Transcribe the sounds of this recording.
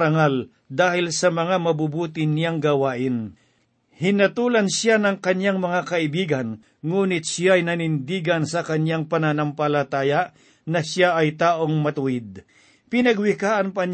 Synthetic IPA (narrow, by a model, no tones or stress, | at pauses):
ɾɐŋal | d̪aːhɪlsɐmɐŋamɐbubuːt̪ɪnjaŋɡɐwaːʔɪn | hɪnɐt̪uːlɐnsjanɐŋkɐɲjaŋmɐŋakɐɪbiːɡɐn | ŋuːnɪt̪̚ʃjaɐjnɐnɪnd̪iːɡɐnsɐkɐɲjaŋpɐnɐnɐmpɐlɐt̪aːjɐ | nɐsjaʔɐjt̪aːʔoŋmɐt̪ʊɪd̪̚ | pɪnɐɡwɪkaːʔɐnpɐn